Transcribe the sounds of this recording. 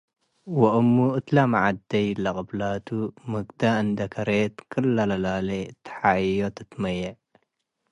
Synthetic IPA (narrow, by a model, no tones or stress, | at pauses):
wɐʔumːuʔɨt̪lamaʕad̪ːɐjlɐqʼɨblat̪ʰumɨɡd̪aɨnd̪ɐkʰɐɾet̪kʰɨlːalɐlaːlet̪ħajot̪ʰɨt̪mɐjɐ